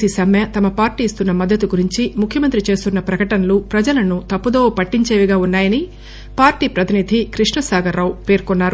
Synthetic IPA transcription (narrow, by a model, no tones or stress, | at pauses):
isɐmjɐt̪ɐmɐpaːɾʈiːst̪unːɐmɐd̪ʱːɐt̪uɡuɾiɲt͡ʃimukʰjɐmɐnt̪ɾit͡ʃe̞ːst̪unːɐpɾɐkɐʈɐnɐlupɾɐd͡ʒɐlɐnut̪ɐpːud̪oːpɐʈːiɲt͡ʃeːʋiɡaːunːaːjɐni | paːɾʈiːpɾɐt̪inid̪ʱikɾiʂɳɐsaːɡɐɾːɐwpe̞ːɾkɔnːaːɾu